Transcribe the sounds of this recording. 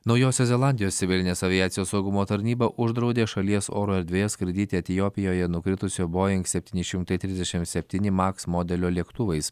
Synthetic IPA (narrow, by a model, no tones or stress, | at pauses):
nɒʊjoːsʲɛzʲɛlˠɑˑnʲd̪ʲɪjoːst̪sʲɪʋʲɪlʲɪnʲeːsɐʋʲɪjæːt̪sʲɪjoːsɐʊɡʊmoːt̪ɐɾʲnʲiːbɐʔʊʒd̪ɾɒʊd̪ʲeːʃɐlʲiɛsoːɾoːɛɾʲd̪ʲʋʲeːjɛskɾʲɪd̪ʲɪːt̪ʲeɛt̪ʲɪjoːpʲɪjoːjɛnʊkɾʲɪt̪ʊsʲoːboːjɪŋksʲɛpʲt̪ʲiːnʲɪʃʲɪmt̪ɐɪt̪ʲɾʲɪzd̪ʲɛʃʲɪmt̪sʲɛpʲt̪ʲiːnʲɪmɑksmoːd̪ʲɛlʲoːlʲiɛkt̪ʊʋɐɪs